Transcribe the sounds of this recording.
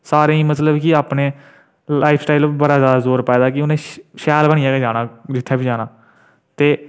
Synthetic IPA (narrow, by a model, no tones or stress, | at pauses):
saːɾẽːĩːmət̪ləbkɪaːpneː | laːipʰsʈaːɪlbəɾaːzjaːd̪aːzoːɾpɛːd̪aːkɪʊnẽːʃɛːlbəɽ̃iːaːɡeːd͡ʒaːnãːd͡ʒɪt̪ʰːaːbiːd͡ʒaːnaː | t̪eː